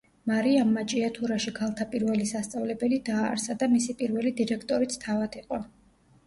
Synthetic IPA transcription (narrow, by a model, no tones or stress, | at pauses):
maɾiamːat͡ʃʼiat̪ʰuɾaʃiɡʰalˠt̪ʰapʼiɾvɛlisast̪sʼavlɛbɛlid̪aːɾsad̪amisipʼiɾvɛlid̪iɾɛkʰt̪ʼɔɾit̪sʰt̪ʰavad̪̥iqʼɔ